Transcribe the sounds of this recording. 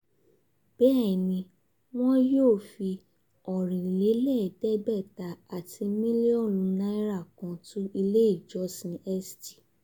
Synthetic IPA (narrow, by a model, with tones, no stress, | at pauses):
b̥ɛ˦˨nĩ˧ | w̃ɔ̃˦joː˦˨fi˧ | ɔ˨ɾ̃ĩ˨le˨˦lɛ˦˨dɛ˦bɛ˦˨ta˨a˨tʰi˧mĩ˦li˦ɔ˦˨lũ˨˧nã˦i˦ɾa˦˨kã˧tũ˦i˧le˦i˦˨d͡ʒɔ˨˦sĩ˨˧˦ɛ˦sti̥˨